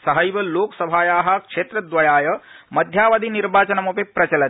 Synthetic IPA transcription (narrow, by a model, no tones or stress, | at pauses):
sɐɦɐjʋɐloːksɐbʱaːjaːɦɐkʂeːt̪ɾɐd̪ʋɐjaːjɐmɐd̪ʱjaːʋɐd̪iniɾbaːt͡ʃɐnɐmupipɾɐt͡ʃɐlɐ